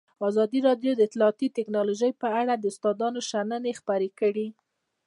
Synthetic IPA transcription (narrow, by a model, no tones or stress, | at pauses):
ɑzɑd̪iɾɑɖjod̪əɪt̪lɑːt̪it̪ɪknɑloʒəjpəaɽad̪əʊst̪ɑd̪ɑnoʃanənexpaɾekəɽi